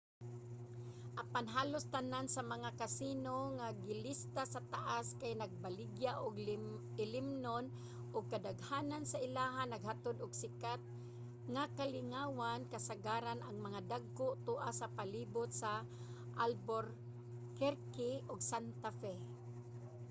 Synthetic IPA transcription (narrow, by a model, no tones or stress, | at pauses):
ʔapanɦaːlʊst̪anansamaŋakasinoŋaɡɪlɪst̪asat̪aʔaskajnaɡ̚balɪɡjaʔʊɡ | ɪlɪmnon | ʔʊɡ̚kad̪aɡhaːnansaɪlaːɦanːaɡhat̪ʊd̪ʊɡsɪkat̪̚ | ŋakalɪŋaːwankasaɡaɾanʔaŋmaŋad̪aɡ̚kʊʔt̪uʔasapaliːbʊt̪̚sa | ʔalboɾ | kɛɾkɪʔʊɡsant̪afɛ